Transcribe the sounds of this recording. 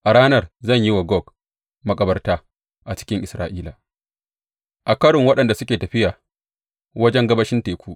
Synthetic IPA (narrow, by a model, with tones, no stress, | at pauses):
ʔa˨ɽaː˦nɐ˦˨rzɐ˦˨ɲji˦wa˨ɡɔ˦˨k | mɐ˨kʼɐ˦bɐ˦rtaː˦ | ʔa˨t͡ʃɪ̥˦kʲɪ˦ŋʔɪ˨sɾaː˦ʔiː˦la˨ | ʔa˨kɐ˦ɽʊ˨ŋwɐ˦ɗɐ˨nda˨sʊ˦kʲeː˨tɐ˨ɸɪ˦jaː˨ | wɐ˦d͡ʒɛ˦ŋɡɐ˦bɐ˦ʃɪ˦nteː˨kʷuː˦ʔ